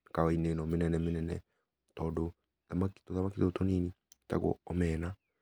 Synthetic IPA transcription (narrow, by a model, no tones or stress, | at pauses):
kawainenɔmenɛnɛmenɛnɛ̰ | tɔːdo | ðamaktoðamakitotoniːnita̰ɣo̰ɔmɛːna